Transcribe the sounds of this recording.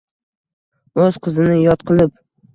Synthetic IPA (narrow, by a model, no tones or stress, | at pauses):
ɵz̥qʰɨzɪnɪjɒt̪̚qʰɨlˠɪp̚